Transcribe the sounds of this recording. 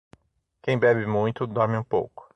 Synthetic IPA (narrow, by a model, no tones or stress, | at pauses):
kẽj̃bɛbɪmũj̃t̪ʊd̪ɔɾmɪũpo̰wkʊ̥